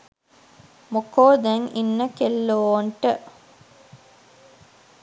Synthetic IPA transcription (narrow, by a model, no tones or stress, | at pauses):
mokoːd̪ɛŋinːəkelːoːɳʈə